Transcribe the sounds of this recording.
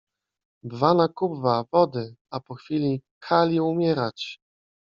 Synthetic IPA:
bvanakubvavɔd̪ɘapɔxfʲilʲikʰalʲiumʲjɛɾat͡ɕ

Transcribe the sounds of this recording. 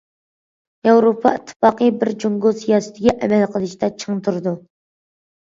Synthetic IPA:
jɑwɾopʰɑ̰it̪ʰːɨ̥fɑqəbɪɾd͡ʒuŋɡosijɑːsɪ̥t̪ʰɪɡʲɛʔɛmɛlqʰəlˠɨʃt̪ʰɛt͡ʃʰəŋt̪ʰuɾɨd̪u

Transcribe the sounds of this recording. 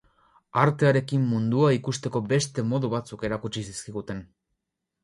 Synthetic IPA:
aɾt̪e̞aɾe̞kimːund̪uaikust̪e̞ko̞be̞st̪e̞mo̞ðuβat͡suke̞ɾakut͡ʃisiskiɣut̪e̞n

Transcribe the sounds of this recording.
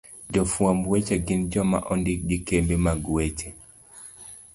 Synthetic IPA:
d͡ʒɔfwambwet͡ʃeɡɪnd͡ʒɔma̰ʔɔndɪk̚d͡ʒikembemaɡwet͡ʃe

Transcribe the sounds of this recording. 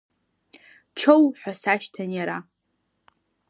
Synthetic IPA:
t͡ʃʰowħʷᶣasaʃtʰanjaɾa

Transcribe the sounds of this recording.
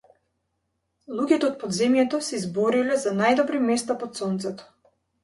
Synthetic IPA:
lˠuɡʲɛt̪ɛɔt̪̚pɔd̪zɛmjɛt̪ɔsɛizbɔɾilɛzanajd̪ɔbɾimɛst̪apɔt̪sɔnt̪sɛt̪ɔ̥

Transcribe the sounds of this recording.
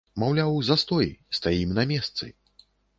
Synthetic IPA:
mawlʲawzɐst̪ɔjst̪ajimnɐmʲɛst̪sɨ̰

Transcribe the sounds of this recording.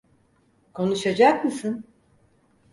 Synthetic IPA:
kʰo̞nuʃad͡ʒakmɯsɯn

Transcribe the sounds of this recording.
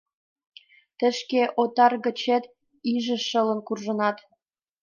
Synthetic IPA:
t̪ə̆ʃkeʔot̪ɑrɣə̆t͡ɕĕt̪ | iʒə̆ʃə̆lə̆nkurʒə̆nɑt̪

